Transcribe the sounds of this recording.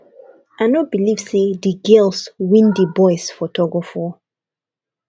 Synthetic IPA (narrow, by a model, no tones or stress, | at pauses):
anɔb̥iliv̥sidiɡɛlswĩndibɔɪsfɔtʰɔɡɔfɔ